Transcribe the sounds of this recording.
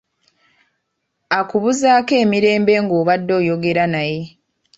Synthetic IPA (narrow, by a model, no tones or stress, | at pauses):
akuβuzaːke̞ːmiɾe̞ːmbe̞ːŋɡo̞ːβadːo̞ːjo̞ɡe̞ɾanaje̞